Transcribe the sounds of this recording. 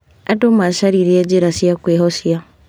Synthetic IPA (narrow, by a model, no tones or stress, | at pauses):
atomaʃaɾiɾiad͡ʒiɾasiakweɦɔsja